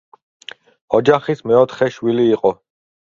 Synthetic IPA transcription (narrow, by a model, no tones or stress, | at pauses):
ɔd͡ʒaχismɛɔt̪ʰχɛʃwiliːqʼɔ